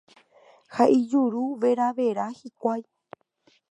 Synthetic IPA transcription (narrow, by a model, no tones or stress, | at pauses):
haʔid͡ʒuɾuʋe̞ɾaʋe̞ɾahikʷaj